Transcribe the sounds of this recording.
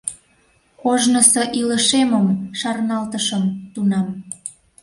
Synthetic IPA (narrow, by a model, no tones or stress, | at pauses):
koʒnəsoʔiləʃeməmʃɑrnɑlt̪əʃəmt̪unɑm